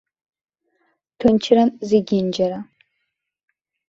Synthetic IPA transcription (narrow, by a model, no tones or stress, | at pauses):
tʰʊnt͡ʃʰrɐnzeɡʲɪnd͡ʒɐɾa